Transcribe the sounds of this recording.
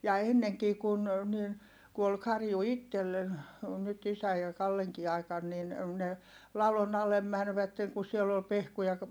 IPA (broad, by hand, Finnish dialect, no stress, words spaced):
jɑ enːeŋkiː kun niːn ku ol kɑrju itːelːen ol nyt isæ jɑ kɑlːeŋkiː ɑi̯kɑn nin ne lɑlon ɑlem mænʋætːeŋ ku siɛlː ol pehkujɑ